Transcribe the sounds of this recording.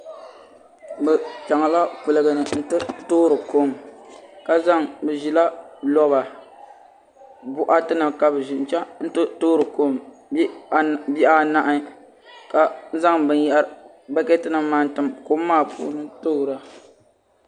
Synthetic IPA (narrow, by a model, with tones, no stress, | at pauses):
bɛ˨t͡ʃa˨ŋa˨la˦pɨ˨lɨ˨ɡɨ˨nɨ˨n̩˦tɨ˦toː˦ɾɨ˨ko˦mka˨za˦ŋbɨ˨ʒi˨la˦lɔ˦βa˨ | bʊ˦ʔa˦tɨ˦nɨ˨mka˨bɨ˨ʒi˨n̩˨˦t͡ʃɛ˦n̩˦tɨ˦toː˦ɾɨ˨ko˦m˦ | bi˦ʔa˦na˦ʔa˦ | ka˨˦za˦ŋbɨ˨n˦jɛ˨˦ʔɾ | bɛ˦kɛ˦tɨ˦nɨ˨mːaː˨˦n˦tɨ˨mko˦mː˦aː˦˨pʰṵː˦nɨ˦to˦hɾa˨